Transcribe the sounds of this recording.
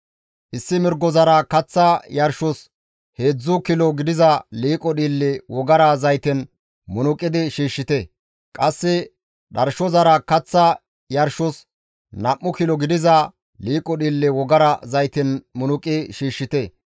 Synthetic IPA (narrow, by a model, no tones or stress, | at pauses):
ʔɪsːɪmɪɾɡɔzɐɾɐkɐt͡sːɐjɐɾʃɔs | he̞ːd͡zːʊkɪlɔɡɪd̪ɪzɐliːkʼːɔɗiːlːɛwɔɡɐɾɐzɐjt̪ɪn | mʊnʊkʼːɪd̪ɪʃiːʃːɪt̪ɛ | kʼɐsːɪ | ɗɐɾʃɔzɐɾɐkɐt͡sːɐ | jɐɾʃʊs | nɐʔːʊkɪlɔɡɪd̪ɪzɐ | liːkʼɔɗiːlːɛwɔɡɐɾɐzɐjt̪ɪnmʊnʊkʼɪʃiːʃːɪt̪ɛ